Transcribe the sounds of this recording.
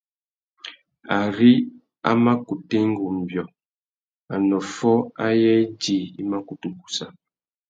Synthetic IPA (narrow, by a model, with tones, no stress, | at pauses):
a˨ɾi˦ | a̰˦ma˦ku˨te˦ŋ˦ɡu˨m˨bjɔ˨ | a˨nɔ˨fɔ˦a˦jɛ˦di˨ḭ˦ma˦ku˨tu˨ku̥˨sa˦